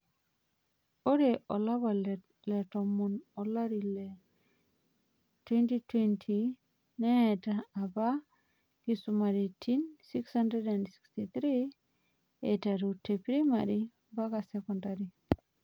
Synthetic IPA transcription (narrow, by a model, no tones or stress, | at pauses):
oɾeʔɔlabal | lɛtɔmunɔlaɾilɛ | twentitʰwentʰi | nɛtaːba | kisumaɾitʰinsikshandɾedansi̥kstit̪ɾi | etaɾutʰepɾimaɾi | baɡasɛkɔntaɾi